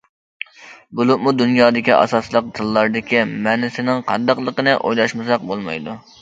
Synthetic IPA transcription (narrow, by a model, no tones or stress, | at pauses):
bulˠɨp̚mud̪unjɑːd̪ɪkʲiʔɑ̰sɑslˠəq̚d̪ɨlˠːɑɾd̪ɪkʲimænɪsɪnɪŋqʰɑ̰nd̪ɑqlˠəqənɨʔo̰jlˠɑʃmɨsɑq̚bolˠmɑ̰jd̪u